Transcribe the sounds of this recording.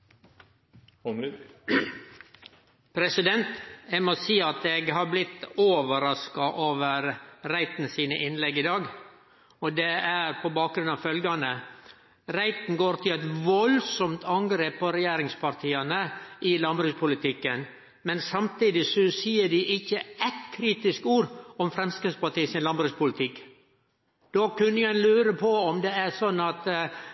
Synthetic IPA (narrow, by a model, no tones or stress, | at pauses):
pʰɾɛsɪd̪ɛnt̪ɛmɔsiːɑt̪eɡɦɑɾblɪt̪ːoːʋəɾɑskɑʔoːʋəɾɾæɪt̪nəsiːnə̰ʔɪnlɛɡːɪd̪ɑːɡ | ɔd̪ɛæɾpʰɔbɑːk̚ɡɾʉnɑʋfœlɡɑnə | ɾæɪt̪n̩ɡoːɾt̪ʰɪlɛt̪ʋɔlsɔmt̪ʰɑŋɡɾeːpːɔɾɛjæːɾɪŋspʰɑɾt̪ʰiːɑnəɪlɑmbɾʉspʰʊlɪt̪ʰɪkːən | mɛnsɑmt̪iːd̪ɪsɔsiːəɖɪʔɪçːəɛt̪kʰɾiːt̪ɪskuːɾɔmfɾɛmskɾɪt̪spɑʈiːsɪnlɑmbɾʉspʰʊlɪt̪ʰɪkː | d̪̥oːkʉnːəjæɪlʉːɾəpʰɔɔmd̪ɛæɾsɔnːɑt̪